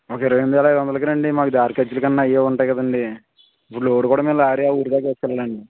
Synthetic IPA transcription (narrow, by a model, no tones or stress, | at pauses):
oːkeːɾoʋemd̪ʋɛːlajd̪ʋɐnd̪ɐlɐk̬iɾɐɳɖimaːkud̪aːɾkɐd͡ʒulukɐnːaːijeːuɳʈaːjkɐd̪ɐɳɖi | ɐpːuɽɭːuoːɽukuːɽaːmeːlɐaːɾijaːuːɾid̪aːkeːsu̥kɛlːaːɾɐɳɖi